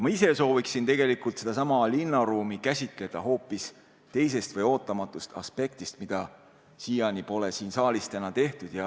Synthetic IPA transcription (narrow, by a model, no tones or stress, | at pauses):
mɑise̞so̞ːviksint̪e̞ɡe̞likult̪se̞d̪ɑsɑmɑlinːɑɾuːmikæsʲit̪ˑle̞d̪̥ɑɦo̞ːpːˑis | t̪e̞js̬e̞st̪vɤjo̞ːt̪ˑːɑmɑt̪ːˑust̪ɑ̰spe̞k̚t̪ist̪mid̪̥ɑ | siːjɑnʲipo̞le̞siːnsɑːlist̪ænɑt̪e̞ht̪ud̪̥jɑ